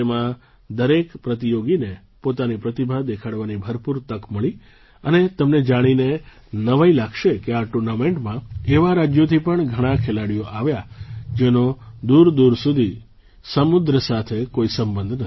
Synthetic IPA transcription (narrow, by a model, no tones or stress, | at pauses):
emã | d̪əɾekpɾət̪ijoɡine | pot̪anipɾət̪ibʱad̪ekʰaɽʋanibʱəɾpuɾt̪əkməɭi | ənet̪əmned͡ʒaɽ̃ine | nəʋailaɡʃekeaʈuɾnamẽɳʈmãeʋaɾad͡ʒjot̪ʰipəɳɡʱəɽ̃ãkʰelaɽijoʔaʋjad͡ʒeno | d̪uɾd̪uɾsud̪ʱi | səmud̪ɾəsat̪ʰekoisəmbənd̪ʱnə